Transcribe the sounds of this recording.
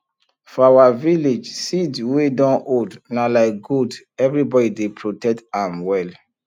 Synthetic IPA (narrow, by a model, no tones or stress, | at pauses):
fɔawaviled͡ʒsidwedɔ̃nʔodnalaɪk̚ɡud | ɛvɹibɔdidepʰɹotɛk̚tãmwɛl